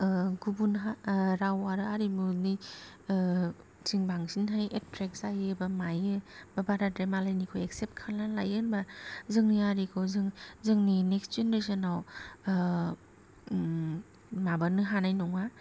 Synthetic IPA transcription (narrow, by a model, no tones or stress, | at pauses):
ɡubunɦaɾawaɾɯaɾimuni | siŋbaŋsinɦajettɾek̚zajɯbamajɯbabaɾadɾemalajnikʰojeksep̚t̚kʰalnalajɯnbazɯŋniaɾikʰɔwzɯŋzɯŋnineksd͡ʒenɾes̬ɯnaw | mabanɯɦanajnuŋa